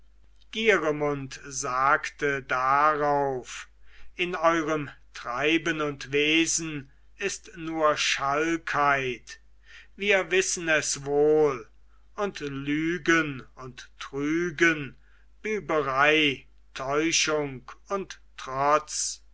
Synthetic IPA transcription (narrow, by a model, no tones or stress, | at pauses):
ɡ̥iːʁəmʊntzaːktədaʁaʊfɪnɔʏʁəmtʁ̥aɪbənʊntveːzn̩ | ɪstnuːɐʃalkʰhaɪt | viːɐvɪsən̩ɛsvoːl | ʊntlyːɡənʊntːʁyːɡən | b̥yːbəʁaɪ | tʰɔʏʃʊŋkʊntː | ʁ̥ɔt͡s